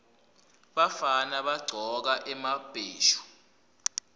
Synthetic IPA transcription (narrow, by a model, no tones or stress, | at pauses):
ɓafanaɓaɡ͡ǀʱɔk̬aʔɛmab̥ʼʱeːʃu̥